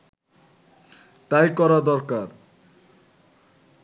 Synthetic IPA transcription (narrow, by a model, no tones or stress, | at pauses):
t̪ajkɔɾad̪ɔɾkaɾ